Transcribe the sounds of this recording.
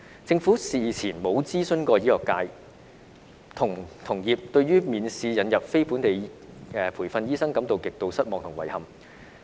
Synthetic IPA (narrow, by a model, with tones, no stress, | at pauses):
t͡sɪ˧ŋfu˨˥siː˨˩t͡sʰiː˨˩nmo˨˧wt͡siː˥sɵ˧nkɔː˧jiː˥lɔː˨˩kːaː˧j | t̪ʰʊ˨˩ŋt̪ʰʊ˨˩ŋjiː˨p̚t̪ɵ˧ɥyː˥miː˨nsiː˧jɐ˨˥njɐ˨p̚fe˥jpuː˨˥nt̪e˨jɛː˧pʰuː˨˩fɐ˧njiː˥sɐ˥ŋkɐ˨˥mt̪o˨˧wkɪ˨k̚t̪o˧wsɐ˥t̚mɔː˨ŋt̪ʰŋwɐ˨˩jhɐ˨m